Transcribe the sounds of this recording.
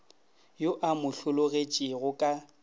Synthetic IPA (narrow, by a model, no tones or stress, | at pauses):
joʔamʊɬʊlʊɣet͡ʃʼɪɣʊkʼa